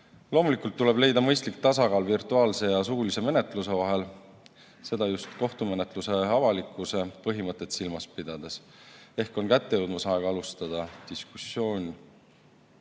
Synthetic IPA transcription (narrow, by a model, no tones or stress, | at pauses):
lo̞ːmulikːˑult̪ːule̞ble̞jd̪̥ɑmɤjst̪lik̚t̪ɑsɑkɑːlvirt̪ˑuɑːlse̞jɑs̬uːlise̞me̞ne̞t̪ˑluse̞vɑɦe̞l | se̞d̪̥ɑjust̪ko̞ht̪ume̞ne̞t̪ˑluse̞ɑvɑlikːˑuse̞pɤɦimɤt̪ːˑe̞t̪silmɑspid̪̥ɑd̪̥e̞s | e̞hko̞nkæt̪ːejuwd̪mɑsɑeɡ̥ɑlust̪ɑd̪̥ɑd̪̥iskusːjo̞ːnʲi